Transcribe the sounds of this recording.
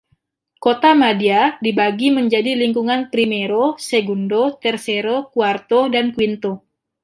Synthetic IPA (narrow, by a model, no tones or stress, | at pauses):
kot̪amadiadibaɡiməɲd͡ʒadiliŋkuŋanpɾimeɾoseɡundot̪ɛrseɾokuart̪odankuint̪o